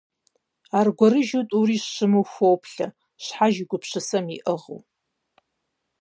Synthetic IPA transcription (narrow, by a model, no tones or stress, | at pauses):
arɡʷɔɾɨʒutʼuriːɕɕɨmɨwxʷowpʰɬɐ | ɕħaʒɪɡʷʊpʰɕɨsɐmiʔəʁə̰w